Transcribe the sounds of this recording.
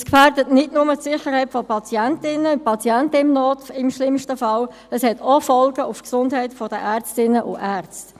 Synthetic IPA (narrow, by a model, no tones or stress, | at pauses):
skfæːɾdətnɪtnʊmətsɪχəɾhɛɪtfɔpʰɑt͡siɛntɪnəʊpʰɑt͡siɛntəɪmnɔːtɪmʃlɪmʃtəfɑl | əshɛtofɔlɡəʔʊfksʊndɦhɛɪtfɔd̥əʔæːɾt͡stɪnəʔʊ̰æːɾt͡st